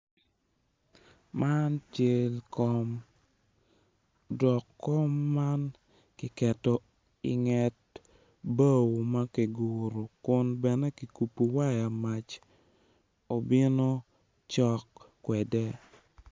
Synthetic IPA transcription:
ma˦nt͡ʃe˨˦lkɔ˦m | dɔ˨kːɔ˦mːa˦n | kɪ˨kɛ˨tɔ˨ | ɪ̰˨ŋɛ˨t̚ | ba˦wma˦ke˨ɡu˨ɾo˨kʊ˦nbɛ˨nɛ˦ki˨ku˨pu˨wa˦ja˨ma˨t͡ʃ | o˨bɪ˦no˦ | t͡ʃɔ˦kː | wɛ˨dɛ˦

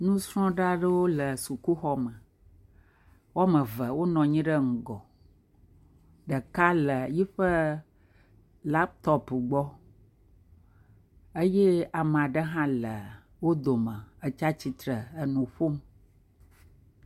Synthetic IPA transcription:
nũ˦sɾɔ̃˦ɖa˦ɖə˦wo˦lə˨su˨ku˦xɔ˦mə˨ | wɔ˦mə̃˨və˨wo˦nɔ̃˨ɲĩ˦ɖə˦ŋ̩˨ɡɔ˨ | ɖə˨ka˦lə˨ji˦ɸə˦ | la˦p̚t̪ɔ˦pɡ͡bɔ˦ | ə˦je˦a˨m˨a˨ɖə˦ɦã˦lə˨ | wo˦d̪o˨mə̃˨ə˨t͡ʃa˦t͡ɕi˨t̪ɾə˨ə˨nũ˨ɸo˦m

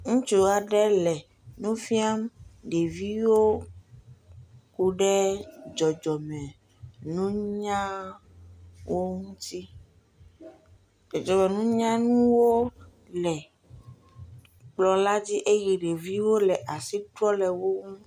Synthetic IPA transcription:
ŋũ˦t͡ʃo˦a˨ɖɛ˦lɛ˨ | nũ˦fi˦a˦mɖe˨vi˦wo˦ | ku˦ɖɛ˦d͡ʒɔ˨d͡ʒɔ˨mɛ̃˨ | nũ˦ɲã˦ | wo˦ŋũ˦t̪i˦ | ɔ˨d͡ʒɔ˨mɛ˨nũ˦ɲã˦nũ˦wo˦ | lɛ˨ | k͡plɔ˨la˦d͡ʑi˦ʔe˦ɣi˨ɖe˨vi˦wo˦lɛ˨ʔa˨si˦t̪ɾɔ˦lɛ˨wo˦ŋũ˦

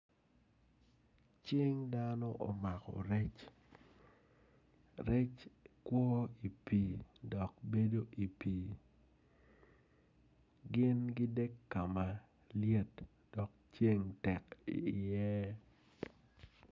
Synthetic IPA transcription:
t͡ʃɪ˦ŋda˦nɔ˦ʔo˨ma˨kɔ̰˨ɾɛ˦t͡ʃ | ɾɛ˦t͡ʃkwɔ˦i˨piː˨dɔ˨k̚be˦do˦ʔi˨piː˨ | ɡɪ˦nɡɪ˦de˦kːa˨ma˨ | lje˦t | d̥ɔ˨k̚t͡ʃe˦ŋtɛ˨kḭ˨jɛ˦

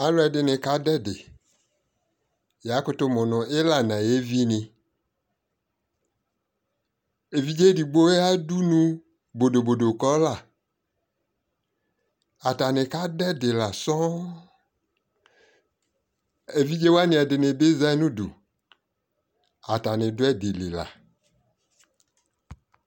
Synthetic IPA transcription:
a˦lo˦ɛ˨dɪ˨nẽ˨ka˦dɛ˦dḛ˨ | ja˨˦kʊ˦t̪o˦mɔ̃˨nɔ̃˨e˦la˨nã˨je˦vi˦nẽ˨ | e˨vi˦d͡ʒe˦di˨ɡ͡bo˦e˦a˦du˦nũ˦ | bo˨do˨bo˨do˨kɔ˦la˦˨ | a˨ta˨nẽ˨ka˦dɛ˦de˨la˨sɔ˦ | e˨vi˦d͡ʒe˦wa˦nẽ˨a˨de˨nẽ˨de˦za˦nũ˦dṵ˨ | a˨ta˨nẽ˨do˦ɛ˦de˨le˨la̰˨

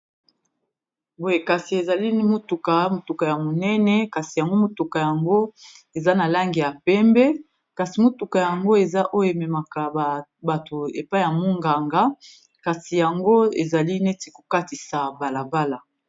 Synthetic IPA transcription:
bo˨je˨ka˨si˨e˨za˨li˦mo˦tu˨ka˨mo˨tu˨ka˨ja˨mo˨nɛ˦nɛ˨ka˨si˨ja˨ŋɡo˦mo˨tu˨ka˨ja˨ŋɡo˦e˨za˦na˨la˦ŋɡi˨ja˨pɛ˦mbɛ˦ | ka˨si˨mo˨tu˨ka˨ja˨ŋɡo˦e˨za˦ʔo˦jo˦˨e˨mɛ˨ma˨ka˨ba˨to˨e˨pa˦ja˨mo˦ŋɡa˨ŋɡa˦ | ka˨si˨ja˨ŋɡo˦e˨za˨li˦ne˦ti˨ko˨ka˦ti˨sa˨ba˨la˨ba˦la˨

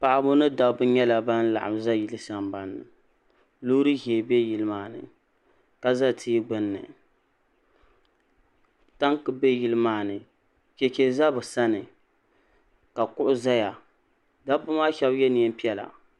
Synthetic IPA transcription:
pa˨ʔa˨bʊ˦nɨ˦da˦bʊ˦ɲɛ˦la˨ba˦n˦la̰˨ʔa̰˨mza˦ji˦lɨ˦sa˦mba˨nːɨ̰˨ | lu˦ɾɨ˦ɦːbɛ˦ji˦lɨ˦maː˦nɨ̰˨ | ka˦za˦tʰiː˦ɡ͡bɨ˦˨nːɨ̰˨ | ta˦ŋkɨ˦be˦ji˦lɨ˦maː˦˨nɨ˨ | ke˨t͡ʃe˨za˦bʊ˨sa˦nɨ˨ | ka˨kʊ˦ʔʊ˦za˦ja˨ | da˦pʊ˦maː˦ʃɛ˦bjɛ˦ni˨ɛ˦m˦pi˦ɛ˦la̰˨

